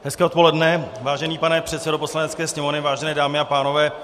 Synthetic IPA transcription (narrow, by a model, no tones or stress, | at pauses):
ɦɛskɛːʔt̪polɛdnɛvaːʒɛniːpanɛpr̝̥ɛt̪sɛdo̞po̞slanɛtt͡skɛːsɲɛmonɪvaːʒɛnɛːdaːmɪapaːno̞vɛː